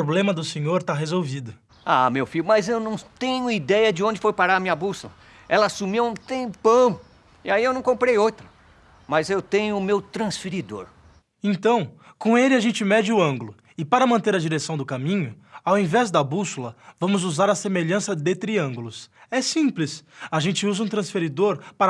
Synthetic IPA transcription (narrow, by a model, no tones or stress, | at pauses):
pɾoblẽmɐd̪ʊsẽɲoɾt̪aɦezowvid̪ʊ | amewfiʎʊmɐzewnɐ̃w̃t̪ẽɲʊid̪ɛjɐd͡ʒɪõnd͡ʒɪfojpaɾaɾɐmĩɲɐbusulɐ | ɛlɐasumiw̃t̪ẽpɐ̃w̃ | ɪaiewnɐ̃w̃kõmpɾejowt̪ɾɐ | mɐzewt̪ẽɲʊːmewt̪ɾɐ̃sfiɾid̪o̰ɾ | ẽnt̪ɐ̃w̃ | kõelɪaʒẽnt͡ʃɪmɛd͡ʒɪʊɐ̃ŋɡʊlʊ | ɪpaɾɐmɐ̃nt̪eɾɐd͡ʒiɾesɐ̃w̃d̪ʊkamĩɲʊ | awẽvɛzd̪ɐbusulɐvɐ̃mʊzuzaɾɐsemeʎɐ̃sɐd̪ɪt̪ɾiɐ̃ɡʊlʊsɛsĩplɪsaʒẽt͡ʃɪuzɐũt̪ɾɐ̃sfeɾid̪oɾpaɾ